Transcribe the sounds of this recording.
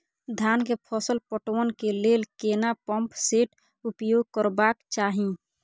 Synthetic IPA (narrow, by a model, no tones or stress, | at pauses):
d̪ʱankepʰɔsəlpəʈʋənkelelkenapəmpseʈ | upjoɡ̚kəɾbakt͡ʃaːɦĩ